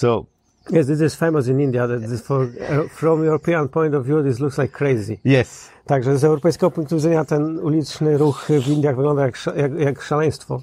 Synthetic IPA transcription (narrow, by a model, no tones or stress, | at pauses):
soʊ | jɛsðɪs̬ɪz̥fɛmɔs̬ɪ̃nĩnd̪jaðɛtðɪsfɔɹɛfɾɔ̃mjuɾɔpiãnpɔ̃j̃nt̪ɔvjuðizlukslajkʰːɾejzijɛs | t̪aɡʐɛzɛwɾɔpɛjskɛɡɔpũŋk̚t̪uvid̪zɛɲat̪ɛnulʲit͡ʂnɪɾuxvind̪jaɣvɨɡlɔ̃nd̪ajakʂajakjakʂalɛ̃j̃st̪fɔ